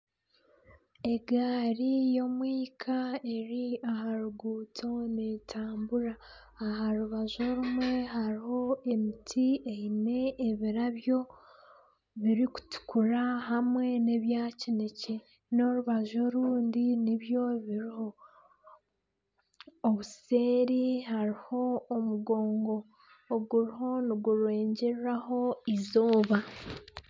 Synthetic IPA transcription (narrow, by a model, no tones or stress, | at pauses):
e̞ɡaːɾijo̞mwiːkʰae̞ɾiahaɾuɡuːtʰo̞neːtʰaːmbuɾaː | ɦaɾuβazo̞ɾumwe̞ɦaɾiho̞e̞mitʰieine̞ːβiɾaβjo̞ | βiɾiku̥tu̥kuɾaɦamwe̞neβjaːcine̞ce̞ | no̞ɾuβaʒo̞ɾuːndiniβjo̞βiɾiho̞ | βuseːɾiɦaɾiho̞ːmuɡo̞ːŋɡo̞ː | ɡuɾiɦo̞niɡuɾwe̞ːɲɟeɾɾaho̞izo̞ːβa